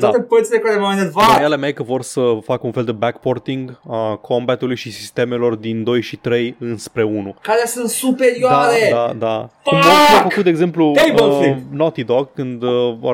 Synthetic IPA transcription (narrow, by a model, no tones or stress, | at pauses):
d̪aepət̪silekaɾemamenet̪vaajalemejkəvo̞rsəfakunfe̞ld̪e̞bɛkpo̞rt̪iŋɡakʰo̞mbat̪ulujʃisi̥st̪e̞me̞lo̞rd̪ind̪o̞jʃit̪ɾe̞jɨnspɾe̞unukaɾeasɨnt̪supe̞ɾioad̪aɾed̪ad̪akumaafəkut̪d̪eɡze̞mpluejbolsĩnot̪id̪okːɨnd̪əvo̰